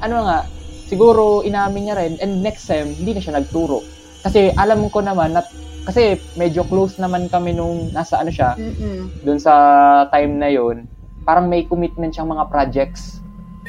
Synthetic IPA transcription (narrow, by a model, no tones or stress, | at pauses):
ʔɐnoŋaʔsɪɡuːɾo̞ʔɪnaːmɪɲɲɐɾɛnʔɛnd̪̚nɛkst̪ɛmhɪnd̪iːnɐʃanɐɡ̚t̪uːɾo̞̰ʔ | kɐsɛʔɐlamko̞nɐmanːɐ | kɐsɛmɛd͡ʒo̞klowsnɐmankɐmɛnʊŋnaːsɐʔɐno̞ʃa | d̪ʊnsɐt̪ajmnɐjo̞n | paːɾɐŋmɐjkʊmɪt̪̚mɛnt̪ʃaŋmɐŋapɾad͡ʒɛk̪̚s